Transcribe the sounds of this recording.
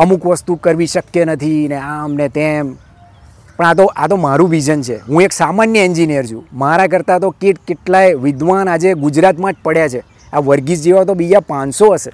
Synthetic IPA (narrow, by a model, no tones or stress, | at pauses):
əmukʋəst̪ukəɾʋiʃəkjenət̪ʰineamnet̪em | pəɳat̪̬oʔat̪omaɾũʋid͡ʒənt͡ʃʰeɦũeksamanjəind͡ʒinijəɾd͡ʒʰṵ̃maɾak̬əɾt̪at̪okeʈkeʈlajʋɪd̪ʋanad͡ʒeɡud͡ʒɾat̪mãt͡ʃʰpəɽjat͡ʃʰe | aʋəɾɡid͡ʒd͡ʒeʋat̪obid͡ʒapãnsoəse